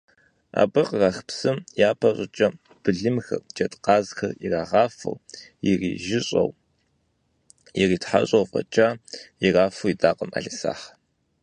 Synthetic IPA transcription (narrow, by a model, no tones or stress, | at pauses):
a̰ːbɨqʼrɑxpsɨmjaːpʰɐɕʼɪt͡ʃʼɐ | b̥ɨɮɨmxɐrt͡ʃʼɐtʼqʼɑːzxɐriraːʁɑːfɐ̰wjirḭːʒɪɕʼɐ̰w | jɪriːtħa̰ɕʼowfʼɐ̰t͡ʃʼajiraːfuwidaːqʼəma̰ɮisa̰ːħ